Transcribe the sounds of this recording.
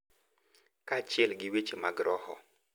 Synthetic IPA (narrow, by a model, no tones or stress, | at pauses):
kat͡ʃɛlɡɪwet͡ʃemaɡɾɔhɔ̰